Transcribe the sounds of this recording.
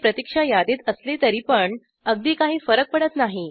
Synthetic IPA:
pɾət̪ikʂajad̪iːt̪əslet̪əɾiːpəɳ | əɡ̚d̪iːkaɦiːfəɾək̚pəɽət̪naɦi

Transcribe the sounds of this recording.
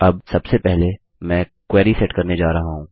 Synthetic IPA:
ɐbsɐbsepɛɦle | mɛ̃ːkwɛːɾisɛʈkɐɾned͡ʒaːɾɐɦaɦũː

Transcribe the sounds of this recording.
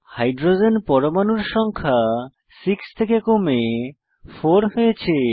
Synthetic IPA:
hajɖɾod͡ʑenpɔɾomanuɾʃɔŋkʰa | sikst̪ʰekekome | foɾɦojet͡ɕʰe

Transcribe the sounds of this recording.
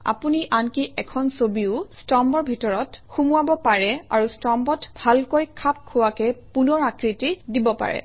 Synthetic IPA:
a̰puniʔankiʔɛkʰɔnsobiʊstɔmbɔɹbʱitɔɹɔtxumuabɔpaɹɛa̰ɹustɔmbɔtbʱalkojkʰap̚kʰːʊwakɛpunɔɹakɹitidibɔpa̰ɹɛ̰

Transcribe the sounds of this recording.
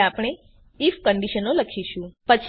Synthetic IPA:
apɽ̃e | ifkəɳɖiʃənoləkʰiʃũpət͡ʃʰ

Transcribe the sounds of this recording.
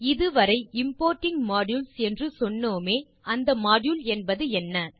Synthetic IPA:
ɪðɯʋɐɾɐɪɪmpoːɾʈɪŋɡmaːɽjuːlsɛndrɯsɔnːoːmeː | ɐnd̪ɐmaːɖjuːlɛnbɐðɯɛnːɐː

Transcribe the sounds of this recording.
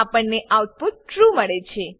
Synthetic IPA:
apəɳneʔaʋt̪t̪ũʈɾuməɭet͡ʃʰe

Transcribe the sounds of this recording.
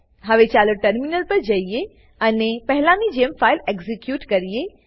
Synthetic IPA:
ɦɐʋet͡ʃaːloʈɐɾminəlpɐɾd͡ʒɐije | ɐnepɐɦɪlãnid͡ʒeːmfaːɪleːɡzikjuːʈkɐɾije

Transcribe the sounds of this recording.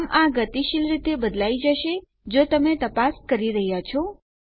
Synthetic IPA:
mʔãɡət̪iʃilɾit̪ebəd̪laid͡ʒəʃe | d͡ʒot̪əmet̪əpaskəɾiɾəɦjat͡ʃʰɔ

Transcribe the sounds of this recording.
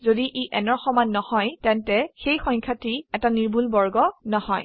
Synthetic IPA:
zodiʔiʔɛnɔɹxɔmanːɔhɔjtɛntɛxejxɔj̃ŋkʰatiɛtaniɹbʱulbɔɹɡɔnɔhɔj

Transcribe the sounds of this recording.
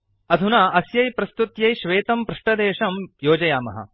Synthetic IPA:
ɐd̪ʱunaːʔɐsjɐjpɾɐst̪ut̪jɐjʃʋeːt̪ɐmpɾuʂʈɐd̪eːʃɐmjoːd͡ʒɐjaːmɐ̰ɦɐ̰

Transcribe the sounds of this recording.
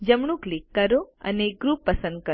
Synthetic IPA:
d͡ʒəmɳ̃ũklikːəɾoə̰neɡɾupːəsə̃nd̪̚kə

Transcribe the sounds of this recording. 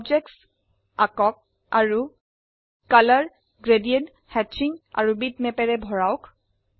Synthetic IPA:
ɔbd͡ʒɛk̚ts | akɔk̚ | aɹu | kalaɹ | ɡɹediɛnt | hɛt͡ʃiŋa̰ɹubitmɛpɛɹɛbʱɔɹawk

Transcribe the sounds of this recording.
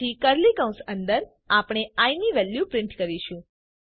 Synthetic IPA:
ikəɾlikə̃w̃sənd̪əɾ | apɽ̃eajniʋɛljupɾɪ̃ɳʈkəɾiʃũ

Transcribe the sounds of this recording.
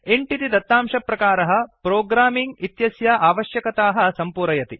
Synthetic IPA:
eɳʈit̪id̪ɐt̪ːaːmʂɐpɾɐkaːɾɐɦɐ̆pɾoːɡɾaːmiŋɡit̪jɐsjɐʔaːʋɐʃjɐkɐt̪aːɦɐsɐmpuɾɐjɐt̪i

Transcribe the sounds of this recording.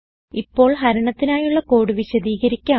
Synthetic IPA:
ipːo̞ːɭɦɐɾɐɳɐt̪ːinaːjuɭːɐko̞ːɽuʋiɕɐd̪iːɣɐɾikʲːɐ

